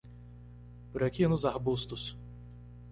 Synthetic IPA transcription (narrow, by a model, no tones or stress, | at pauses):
bɾɐkʰʲinuzahbust̪us